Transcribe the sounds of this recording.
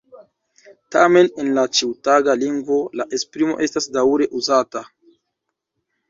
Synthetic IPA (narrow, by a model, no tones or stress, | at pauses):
tame̞ne̞nlat͡ʃiwtaɡaliŋɡvo̞laʔe̞spɾimo̞ʔe̞stasdauɾe̞ʔuzata